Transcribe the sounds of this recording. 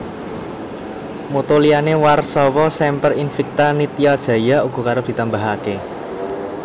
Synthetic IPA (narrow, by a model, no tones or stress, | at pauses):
mot̪olianewarsɔwɔsɛmpərinfik̚t̪anit̪iad̥ʒ̥ä̤jauɡ̥ɔ̤kaɾəd̪̥i̤t̪ambaɦake